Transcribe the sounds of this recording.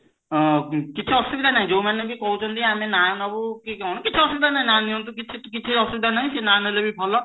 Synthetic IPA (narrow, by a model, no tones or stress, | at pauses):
kit͡ʃʰiɔst̪ubid̪anaɦĩd͡ʒowmanebikɔɦut͡ʃʰɔnt̪ĩamenanɔbukikawñɔkit͡ʃʰiɔst̪ubid̪anaɦĩnaniɔ̃nt̪̬ukit͡ʃʰikit͡ʃʰiɔst̪ub̚id̪anaɦĩsenanelebʱibʱɔlɔ